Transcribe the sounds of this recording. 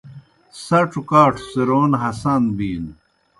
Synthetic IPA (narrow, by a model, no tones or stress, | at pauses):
sɐʈ͡ʂʰukaːʈʰsiɾoːnɦɐsanbiːn